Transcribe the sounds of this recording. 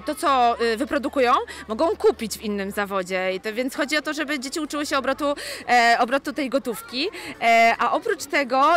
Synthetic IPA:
t̪ɔt̪sɔvɘpɾɔd̪ukujɔ̃w̃mɔɡɔ̃w̃kupʲid͡ʑvinːɘmzavɔd͡ʑɛvʲjɛnt̪xɔd͡ʑiɔt̪ɔʐɛbɘd͡ʑet͡ɕiut͡ʂɘwɘɕɛɔbɾɔt̪uɔbɾɔt̪ut̪ɛjɡɔt̪ufkʲi | ʔaʔɔpɾut͡ʂt̪ɛɡɔ

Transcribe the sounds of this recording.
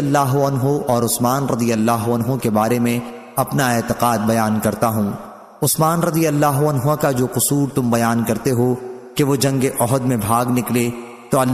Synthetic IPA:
ɐlːaːɦoɐnɦoʔɔːɾʊsmaːnɾɐd̪ijɐlːaːɦoɐnɦõkebaːɾemẽ | ɐpnaɪːt̪ɪqaːd̪̚bɐjaːnkɐɾt̪aɦũː | ʊsmaːnɾɐd̪ijəlːaːɦoɐnɦakad͡ʒoːqʊsuːɾt̪ʊmbɐjaːnkɐɾt̪eɦokeʋod͡ʒɐ̃ŋɡeʔɔɦəd̪mẽbʱaːɡnɪkle | t̪oɐl

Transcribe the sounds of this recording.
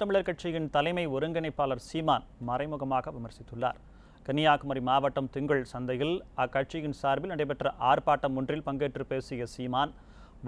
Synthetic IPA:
t̪ɐmɪɭɐɾkɐʈ̚t͡ʃːɪjɪnt̪ɐlɐɪmɐɪɔɾɯŋɡɐnɐɪpːaːlɐɾsiːmaːnmɐrɐɪmɯɣɐmaːɣɐʋɪmɐɾsɪt̪ːɯɭːa̰ːɾ | kɐnɪjaːkɯmɐɾimaːʋɐʈːɐmt̪ɪŋɡɐɭsɐnd̪ɐɣɪlɐkːɐʈ̚t͡ʃɪjɪnsaːɾbɪlnɐɽɐɪpɐʈrɐʔaːɾpaːʈːɐmʊndrɪlpɐŋɡeːʈrɯpeːsɪjɐsiːmaːn | ʋ

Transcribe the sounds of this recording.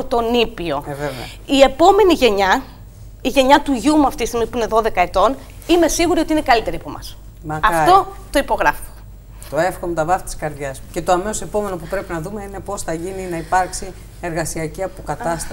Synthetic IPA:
t̪o̞nipio̞evev | ie̞po̞me̞niʝe̞ɲɐ | iʝe̞ɲɐt̪uʝumuɐft̪ist̪iɣmipuine̞ðo̞ðe̞kɐet̪o̞n | ime̞siɣuɾio̞t̪iine̞kɐlit̪e̞ɾiɐpo̞mɐ̰s | mɐɐt̪o̞ | t̪o̞ipo̞ɣɾɐfo̥ | t̪o̞efxomet̪ɐvɐfi̥t̪i̥skɐɾðʝɐsce̞t̪o̞ɐmesose̞po̞me̞nopupɾe̞pinɐðumeine̞po̞sθɐʝininɐipɐɾksi | e̞ɾɣɐsiɐciɐpo̞kɐt̪ɐst̪ɐ

